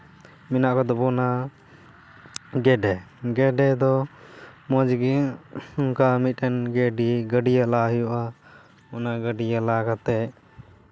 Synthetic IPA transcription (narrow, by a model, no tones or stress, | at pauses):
minaʔkɔd̪ɔbɔna | ɡɛɖɛɡɛɖɛd̪ɔ | mɔd͡ʒɡiuŋkamit̪̚ˀʈɛnɡɛɖiɡəɖijalaɦijuʔa | ɔnaɡəɖijalakat̪ɛ